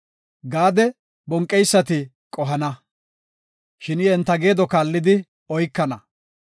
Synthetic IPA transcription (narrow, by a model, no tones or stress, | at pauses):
ɡaːd̪ɛ | bɔŋkʼːɛjsːɐt̪ɪ | kʼɔɦɐnɐ | ʃɪnɪɛnt̪ːɐɡe̞ːd̪ɔkaːlːɪd̪ɪ | ɔjkːɐnɐ